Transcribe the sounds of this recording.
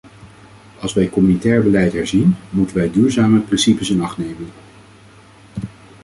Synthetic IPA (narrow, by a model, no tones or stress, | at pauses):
ɑlˠsʋɛjkɔmynitɛːɹbəlɛjtɦɛɹzinmutənʋɛjdyːɹzaːməprɪnsipəsɪnɑχtnejmən